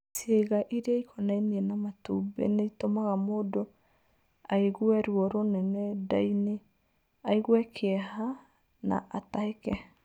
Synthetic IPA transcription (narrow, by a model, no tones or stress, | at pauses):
sjeɣaʔiɾeaikʰɔnainiɛnamatṵbḛneitomaɣamoːdo | aeɣwɛɾwɔɾonɛnɛdaine | aiɣwɛkʰeɛha | na̰ʔataekɛ